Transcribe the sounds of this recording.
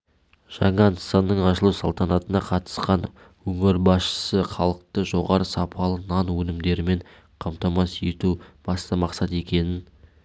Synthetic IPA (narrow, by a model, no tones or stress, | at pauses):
ʒ̥ɑɴɑnsɑnːəɴɑʃəlˠusɑlˠt̪ɑnɑt̪ənɑqʰɑt̪ə̥sqɑn | wɵŋɪɾbɑsʃə̥səχɑlˠəq̚t̪əʒo̞ʁɑɾəsɑpʰɑlˠənɑnwɵnɪmd̪e̞ɾɪme̞ɴ | qʰɑmt̪ɑmɑse̞t̪ub̥ɑst̪ɑmɑqsɑt̪e̞kʲe̞nɪn